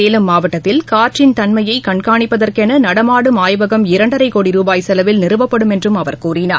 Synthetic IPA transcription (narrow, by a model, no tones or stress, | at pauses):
eːlɯmːaːʋɐʈːɐt̪ːɪlkaːʈrɪnt̪ɐnmɐjɐɪkɐɳkaːɳɪpːɐðɐrkɛnɐnɐɽɐmaːɽɯmaːjʋɐɣɐmɪɾɐɳɖɐɾɐɪkoːɽiɾuːbaːjsɛlɐʋɪlnɪɾɯʋɐpːɐɽɯmɛndrɯmɐʋɐɾkuːrɪnaːɾ